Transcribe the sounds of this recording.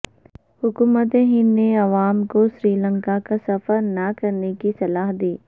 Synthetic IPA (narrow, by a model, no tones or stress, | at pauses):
hʊkuːmət̪ẽɦinːeɐʋaːmkoʃɾiːlə̃ŋkakasɐfəɾnɐkɐɾnekisɐlaːɦd̪iː